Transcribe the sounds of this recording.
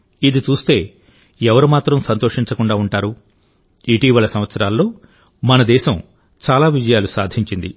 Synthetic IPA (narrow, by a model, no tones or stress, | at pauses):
id̪it͡ʃuːst̪e̞ː | ɛʋɐɾumaːt̪ɾɐmsɐnt̪oːʂiɲt͡ʃɐkuɳɖaːuɳʈaːɾu | iʈiːʋɐlɐsɐmʋɐt̪sɐɾaːlːo̞ː | mɐnɐd̪ɛːʃɐm | t͡ʃaːlaːʋid͡ʒɐjaːlusaːd̪ʱiɲt͡ʃind̪i